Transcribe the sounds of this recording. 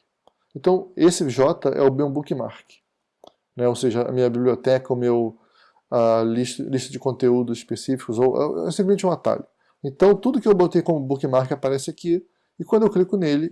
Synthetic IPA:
ẽt̪ɐ̃w̃esɪʒɔt̪ɐʔɛ̰ʊbew̃bukɪma̰ɾkɪ̥ | nɛowseʒɐɐ̰mĩɲɐbiblʲiot̪ɛkɐʊmew | aliʃt̪ɐ̰liʃt̪ɐd͡ʒɪkõnt̪eud̪ʊzispesifi̥kʊzowʔɛ̰ɛsĩplezmẽt͡ʃɛũat̪a̰ʎɐ | ẽt̪ɐ̃w̃t̪ud̪ʊkɪewbot̪ejkõmʊbukimaɾkɪapaɾɛsɪaki | ɪkwɐ̃d̪ʊewklikʊnelɪ

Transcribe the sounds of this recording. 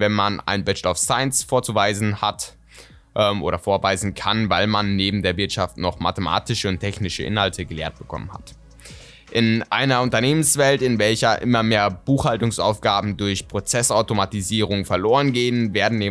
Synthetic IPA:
vɛnmana̰ɪnbɛd͡ʒɛtaʊfsaɪənsfoːɐt͡suvaɪzn̩ha̰t | ʔɛmʔo̰ːɾɐfoːɐvaɪzn̩kʰanvaɪlmanːeːbm̩deːɐvɪɐtʃaftnɔχma̰təma̰ːtɪʃəʊntʰɛçnɪʃə̰ʔɪ̰nhaltʰəɡəlḛːɐt̚b̥əkʰɔ̰mənha̰t | ʔɪnʔa̰ɪnɐʊntɐneːmənsv̥ɛltɪnvɛlçɐʔɪmɐmeːɐb̥uːxhaltʊŋsʔa̰ʊfɡ̥aːbm̩dʊɐçpʁ̥ot͡sɛsʔaʊtomatiziːʁ̞ʊŋfɛɐloːʁ̞ənɡeːənveːɐdn̩neː

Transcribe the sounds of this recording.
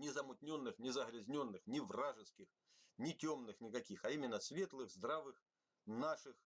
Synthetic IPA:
nʲɪzəmʊtʲnʲo̞nːɨxnʲɪzəɣɾʲɪzʲnʲo̞nːɨxnʲɪvraʐɨskʲɪx | nʲɪtʲo̞mnɨxnʲɪkɐkʲixɐimʲɪnːəsvʲe̞t̪lˠɨɣzd̪ɾavɨx | naʂɨx

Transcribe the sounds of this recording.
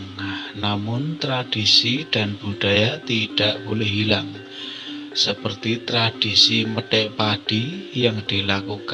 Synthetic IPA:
ŋahnamʊnt̪ɾad̥isid̥a̤nb̥ud̥ajat̪iɖ̥aʔkulʊɦilaŋ | səpərt̪it̪ɾad̥isiməɖɛʔpaɖ̥ijaŋd̪̥ilakuk

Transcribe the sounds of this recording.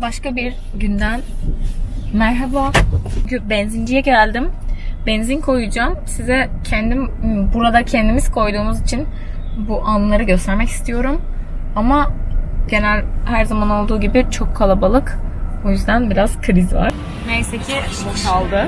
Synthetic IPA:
baʃkabiɾ | ɟynd̪æn | mæɾɦabaɟbɛnzind͡ʒijɛɟælʲd̪imbɛnzinkʰo̞jud͡ʒaːmsizɛ | cʰɛnd̪imbuɾad̪acʰɛnd̪imizkʰo̞jd̪uːnuzit͡ʃʰin | buʔanlˠaɾɯɟø̞st̪ʰæɾmɛci̥st̪ʰijo̞ɾum | amaɟ̥e̞nælʲhæɾzamano̞lˠd̪uːɟibit͡ʃʰo̞kʰːalˠabalˠɯko̞jyzd̪ænbiɾaz̥kʰɯɾizva̰ɾ̥ | vejsecʰioʃalˠd̪ɯ

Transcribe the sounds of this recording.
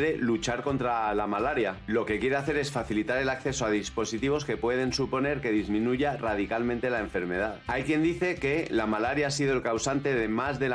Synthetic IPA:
ɾe̞lut͡ʃaɾko̞nt̪ɾalamalaɾjalo̞ke̞kje̞ɾe̞aθe̞ɾe̞sfaθilit̪aɾe̞lakθe̞so̞aðispo̞sit̪iβ̞o̞ske̞pwe̞ð̞e̞nsupo̞ne̞ɾke̞ð̞izmĩnuʝarað̞ikalmẽnt̪e̞lae̞ɱfe̞ɾme̞ðaðajkje̞nd̪iθe̞ke̞lamalaɾjaas̬iðo̞elkawsant̪e̞ð̞e̞mazðe̞l

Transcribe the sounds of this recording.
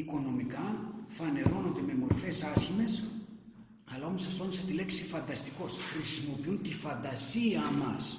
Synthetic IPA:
iko̞no̞mikɐfɐne̞ɾo̞no̞nd̪e̞me̞mo̞ɾfe̞sɐsçime̞s | ɐlɐo̞mosɐst̪o̞niset̪ile̞ksifɐnd̪ɐst̪iko̞sxɾisimo̞piunt̪ifɐnd̪ɐsiɐmɐ̰s

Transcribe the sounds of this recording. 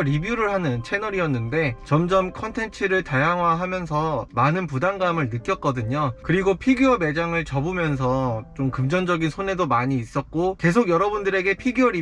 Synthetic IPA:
ɾibjuɾɯɭhanɯnt͡ɕʰe̞nʌɾijʌnːɯnde̞t͡ɕʌmd͡ʑʌmkʰʌntʰe̞nt͡ɕʰiɾɯɭtajaŋɦwaɦamjʌnsʰʌmanɯnpudaŋɡamɯɭnɯk͈jʌt̚k͈ʌdɯɲokɯɾiɡopʰiɡiʌme̞d͡ʑaŋɯɭt͡ɕʌbumjʌns̬ʰʌt͡ɕomkɯmd͡ʑʌnd͡ʑʌɡinsʰone̞domaɲiːs͈ʌt̚k͈oke̞s̬ʰoɡjʌɾʌbundɯɾe̞ɡe̞pʰiɡiʌɾi

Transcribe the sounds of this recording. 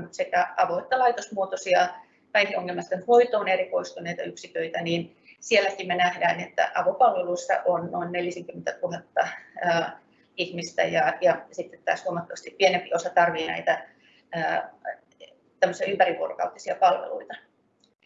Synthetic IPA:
sekæɑʋoet̪ːælɑit̪osmuot̪osiɑ | kæihioŋːelmɑst̪ɑnyt̪ʋoit̪ˑoːnerikoist̪uneit̪ɑyksik̪øit̪æniːn | sielːækimmenæhdæːnet̪ːæ̰ʔɑʋopɑlʋeluisːɑ̰ʔonnoinneljæseŋkymːent̪æt̪uhɑt̪ːɑəː | ihmist̪æ̰jɑjɑsit̪ːet̪tæ̰ːshuomɑt̪ːɑʋɑst̪ippːienempiosɑt̪ɑrʋiːnæ̰it̪æ | əː | t̪æmːøsiɑympæriʋṵorokɑ̰ut̪ːisiɑpɑlʋḛlṵit̪ɑ

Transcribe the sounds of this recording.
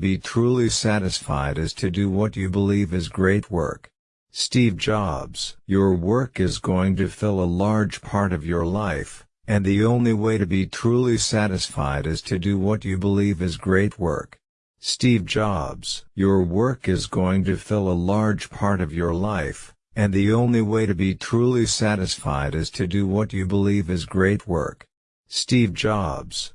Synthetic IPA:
bitʰɹ̥ulˠisæɾɨsfa̰ɪɾɨz̥tʰɨdɨwʌt͡ʃɨbəlivɨzɡɹeɪt̚wɜ̰˞k | stivd͡ʒɑbz̥jə˞wɜ˞kɨzɡoʊɪ̃ŋtɨfɪlˠəlɑɹd̥ʒ̥pʰɑɹɾʌvjə˞laɪf | ɨ̃nðiõʊ̃nliweɪɾɨbitʰɹ̥ulˠisæɾɨsfa̰ɪɾɨz̥tʰɨdɨwʌt͡ʃɨbəlivɨzɡɹeɪt̚wɜ̰˞k | stivd͡ʒɑbz̥jə˞wɜ˞kɨzɡoʊɪ̃ŋtɨfɪlˠəlɑɹd̥ʒ̥pʰɑɹɾʌvjə˞laɪf | ɨ̃nðiõʊ̃nliweɪɾɨbitʰɹ̥ulˠisæɾɨsfa̰ɪɾɨz̥tʰɨdɨwʌt͡ʃɨbəlivɨzɡɹeɪt̚wɜ̰˞k | stivd͡ʒɑbz̥

